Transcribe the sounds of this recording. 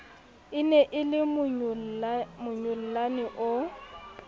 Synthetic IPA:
ɪnɛʔɪlɪ | mʊɲʊl̩lanɪʔʊ

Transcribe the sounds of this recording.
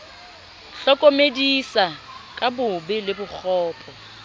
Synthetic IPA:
ɬɔkʼomedisa | kʼabʊbɪlɪbʊk͡xʰɔːpʼʰɔ

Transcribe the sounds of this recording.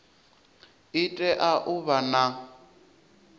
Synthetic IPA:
ɪtʼɛʔaʔʊβana

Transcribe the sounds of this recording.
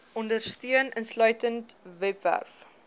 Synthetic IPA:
ɔndərstiənənslœɥtəntvɛpvæ̰rf

